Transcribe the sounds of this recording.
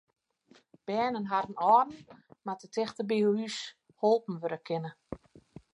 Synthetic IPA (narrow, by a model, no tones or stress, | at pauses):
b̥ɛːnənɦadən̩ɔːrn̩matətʰɛxtəbioys | holˠpn̩ʋøɾəkʰɪnə